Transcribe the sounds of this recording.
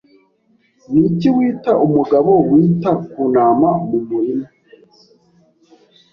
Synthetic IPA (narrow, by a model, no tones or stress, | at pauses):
niciwiːtaʔumuɡaβowiːtakuːnaːmamumuɾima